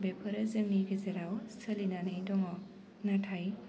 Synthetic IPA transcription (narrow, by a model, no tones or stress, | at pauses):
bepʰɯɾazɯmniɡezeɾawssʰəlinanɯjdɔŋɔ | natʰaj